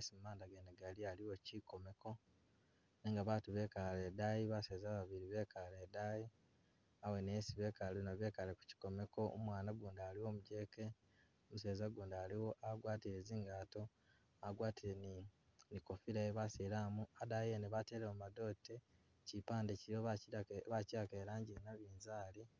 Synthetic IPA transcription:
esimumaːndaɡeneɡalialiwo̞ciko̞me̞ko̞ | neŋɡaβaːtuβe̞kaledajiβaseːzaːβaβiɾiβe̞ːkaledaji | awe̞nesiβe̞ːkalenaβje̞ːkaleku̥ci̥ko̞me̞ko̞̰mwaːnaɡuːndaːliwo̞ːmuɟe̞ːke | omuse̞ːzaɡuːndaːliwoaɡwaːtiɾeziŋɡaːto̞ | aɡwaːtiɾen | niko̞fiɾajeβasiɾamuadajeneβateɾeomado̞ːte | cipaːndecioβaciɾake̞ːɾaːɲɟiɾenaβiːnzaːli

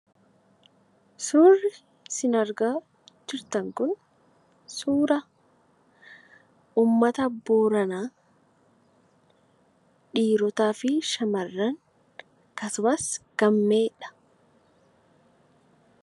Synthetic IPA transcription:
suːrːɪ | sɪnɐɾɡaː | d͡ʒɪɾt̪ɐŋkʊn | suːɾɐ | uːmːɐt̪ɐbuːɾɐnaː | ᶑiːɾɔt̪aːfɪʃɐmɐrːɐŋ | kɐsʊmɐsɡ̥ɐmːe̞ːᶑɐ̥

